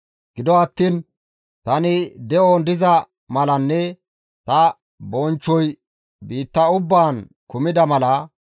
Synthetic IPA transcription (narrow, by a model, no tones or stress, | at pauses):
ɡ̥ɪd̪ɔɐt̪ːiːn | t̪ɐnɪd̪ɛʔɔnd̪ɪzɐ | mɐlɐnːɛ | t̪ɐ | bɔnt͡ʃːɔj | biːt̪ːɐʊbːaːn | kʊmɪd̪ɐmɐlɐ